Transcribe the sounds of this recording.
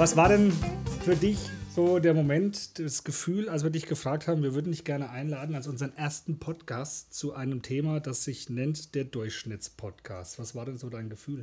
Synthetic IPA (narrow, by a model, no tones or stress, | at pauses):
vasv̥aːɐdɛnfyːɐdɪçz̥oːdeːɐmomɛntd̥ɛsɡ̥əfyːlalsv̥iːɐdɪçɡ̥əfʁ̥aːk̚tʰhaːbm̩viːɐvʏɐdn̩nɪçtɡ̥ɛɐnəʔaɪnlaːdn̩alsʔʊnzəʁənʔeːɐstn̩pʰɔtkʰaːstt͡suʔaɪnəmtʰeːmaːdasz̥ɪçnɛntd̥eːɐdʊɐçʃnɪt͡spʰɔtkʰa̰ːstv̥asv̥aːɐɾɛnzoːdaɪnɡəfyːl